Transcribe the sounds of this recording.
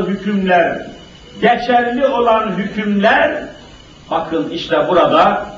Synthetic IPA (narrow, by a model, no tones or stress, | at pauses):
ɦycʰymlʲæɾ | ɟɛt͡ʃʰæɾlʲio̞lˠanɦycʰymlʲæɾ | b̥akʰɯniʃt̪lɛbuɾad̪a